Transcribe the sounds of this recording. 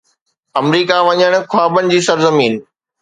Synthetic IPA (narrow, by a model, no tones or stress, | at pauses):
ɐmɾiːkaʋɐɲəɽ̃ʊ̆kʰaːbənɪ̆d͡ʑiːsɐɾzɐmiːn